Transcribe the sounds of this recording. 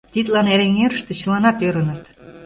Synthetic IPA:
t̪it̪lɑneɾeŋeɾə̆ʃt̪ĕɕə̆lɑnɑt̪øɾə̆nə̆t̪

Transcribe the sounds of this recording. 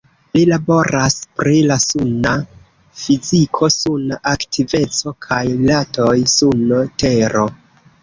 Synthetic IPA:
lilabo̞ɾaspɾilasuna | fizikʰo̞sunʔaktʰive̞t͡so̞kʰajlato̞jsunte̞ɾo̞

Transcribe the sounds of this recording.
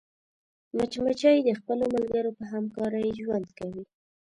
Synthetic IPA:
mat͡ʃmat͡ʃɑjd̪əxpəlomalɡaɾopəɦamkɑɾəjʒwand̪kawi

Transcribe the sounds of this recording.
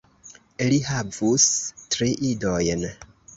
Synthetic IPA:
ilihavustɾiʔidojn

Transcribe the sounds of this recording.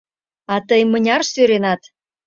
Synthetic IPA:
ɑt̪əjmənʲɑrsøɾenɑt̪

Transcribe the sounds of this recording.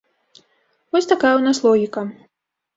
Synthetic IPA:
vɔsʲt̪akajɛwnaslˠɔɣʲikɐ

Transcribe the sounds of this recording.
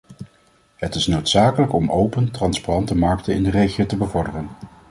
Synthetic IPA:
ɦətɪsnowtsaːkələkɔmowpəntrɑnsparɑntəmɑɹk̚tənɪ̰ndərejχijowtəbəvɔɹdərən

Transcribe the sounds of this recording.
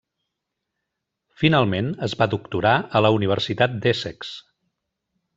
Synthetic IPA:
finalˠmenəzβaðukt̪uɾaələuniβ̞əɾsit̪at̪̚d̪ɛsɛks

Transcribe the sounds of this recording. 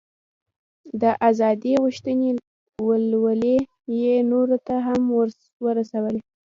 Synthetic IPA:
d̪əʔazɑd̪iɣuʃt̪əne | wəlwəle | jenoɾot̪aɦamwə | wəɾasawəle

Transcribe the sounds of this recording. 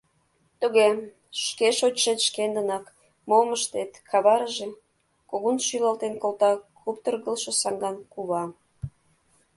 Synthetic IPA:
t̪uɣe | ʃkeʃot͡ɕʃet̪ʃkend̪ə̆nɑk | moməʃt̪et̪kʰɑβɑɾəʒe | koɣonʃylɑlt̪enkolt̪ɑkupt̪ərɣəlʃɤ̆sɑŋɡɑnkuβɑ

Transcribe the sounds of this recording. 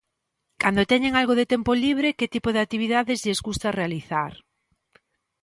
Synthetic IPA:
kand̪ot̪ɛɲeŋalɣoðɪt̪ɛmpoliβ̞ɾeket̪ipoðeak̚t̪iβ̞iðaðɪzʎezɣust̪arealiθaɾ

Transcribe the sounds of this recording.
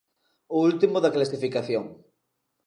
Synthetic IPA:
ʊult̪imʊðɐklasifikaθjoŋ

